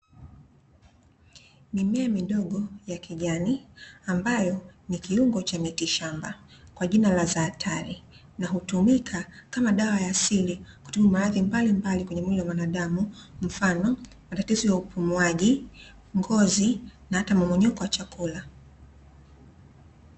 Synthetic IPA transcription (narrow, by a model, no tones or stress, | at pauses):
mimɛamiɗɔɠɔjakiʄaniambajɔnikiuŋɡɔt͡ʃamitiʃambakwaʄinalazaːtʰaɾi | naɦutumikʰakamaɗawajaːsiliku̥tumumaɾaðimbalimbalikwɛɲɛmuliwamwanaɗamum̩fanɔ | matatizɔjaupumuaʄi | ŋɡɔzinaatamamɔɲɔkɔwat͡ʃakula